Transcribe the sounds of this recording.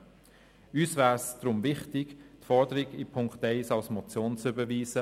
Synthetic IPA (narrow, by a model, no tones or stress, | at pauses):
yːsvæːsd̥̪rʊmvɪχtɪɡtfɔɾdəɾɪɡipʰʊŋkχtɛɪsalsmɔt͡sjoːnt͡sʏbəviːsə